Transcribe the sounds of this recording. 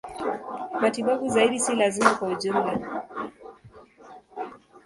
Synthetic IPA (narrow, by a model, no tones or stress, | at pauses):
matiɓaɓuzaiɗisilazimakwauʄumla